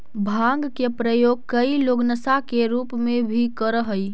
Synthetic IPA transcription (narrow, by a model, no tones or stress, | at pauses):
bʱãŋɡkepɾəjoɡ̚kəiloɡnəsakeɾupmebʱikəɾəɦəj